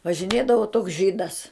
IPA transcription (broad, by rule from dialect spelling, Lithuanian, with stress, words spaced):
ʋɐʒʲɪˈnʲeːdɐʋoː toːks ˈʒʲiːdɐs